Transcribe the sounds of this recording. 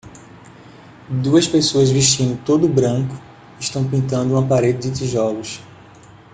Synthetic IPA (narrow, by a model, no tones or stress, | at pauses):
d̪uɐspesoɐzviʃt͡ʃĩnd̪ʊt̪od̪ʊbɾɐ̃kʊ̥ | iʃt̪ɐ̃w̃pĩnt̪ɐ̃nd̪ʊũapaɾed͡ʒɪd͡ʒɪt̪iʒɔlʊs